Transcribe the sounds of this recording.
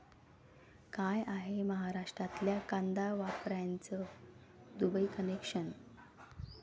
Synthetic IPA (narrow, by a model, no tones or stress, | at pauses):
kajaɦeməɦaɾaʂʈɾat̪ljakãnd̪aʋapɾant͡sə | d̪ubəikənekʂən